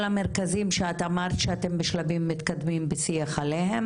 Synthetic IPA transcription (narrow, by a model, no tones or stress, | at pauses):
lameʁkazimʃeat̪amaʁt̪ʃeat̪e̞mbeʃlavimːit̪kad̪mimbesiaχalehem